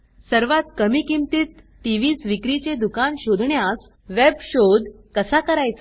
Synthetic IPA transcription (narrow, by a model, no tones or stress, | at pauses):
səɾʋat̪kəmiːkimt̪it̪ | ʈiʋiːsʋikɾit͡ɕed̪ukanɕod̪ʱɳjas | ʋebɕod̪ʱ | kəsakəɾajt͡sa